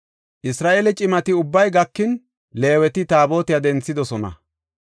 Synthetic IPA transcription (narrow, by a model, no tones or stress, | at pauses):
ʔɪsɾaːʔeːlɛt͡ʃʼɪmɐt̪ɪʊbːɐjɡɐkːɪn | le̞ːwɛt̪ɪt̪aːbo̞ːt̪ɪjad̪ɛnt͡sːɪd̪ɔsɔnɐ̰